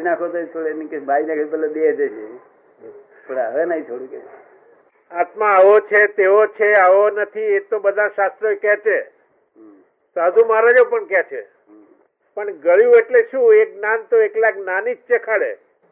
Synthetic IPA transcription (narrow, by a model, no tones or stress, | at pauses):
nakʰot̪oet͡ʃʰoɽemikebʱainakʰepɛlad̪ed͡ʒet͡ʃe | t̪ʰoɽaɦəʋenəit͡ʃʰoɽũkḛ | at̪mãaʋot͡ʃʰet̪eot͡ʃʰeaʋonət̪ʰiet̪obəd̪ʱãʃast̪ɾəikɛt͡ʃʰe | t̪oɦəd͡ʒ̪ũmaɾad͡ʒopəɳkjat͡ʃʰḛ | pəɳɡəɭjueʈleʃũeknant̪oeklaknanik̚t͡ʃekʰaɭḛ